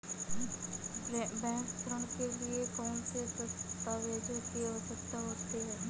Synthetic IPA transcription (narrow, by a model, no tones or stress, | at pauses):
bɛ̃ːŋkpʰɾəɳkelɪekɔːnsesəst̪aːʋeːd͡ʒəkiəʋəsəkt̪aɦoːt̪eɦɛː